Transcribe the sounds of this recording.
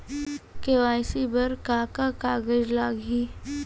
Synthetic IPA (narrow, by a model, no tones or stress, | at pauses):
keʋaːɪsibɐɾkaːkakaːɡəd͡ʒlaːɡiː